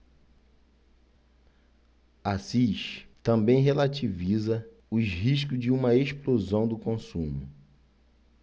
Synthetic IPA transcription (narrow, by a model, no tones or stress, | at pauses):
asiʃt̪ɐ̃mbẽj̃ɦelat͡ʃivizɐ | ʊɦiʃkʊzd͡ʒɪũmɐeʃplozɐ̃w̃d̪ʊkõsũmʊ̰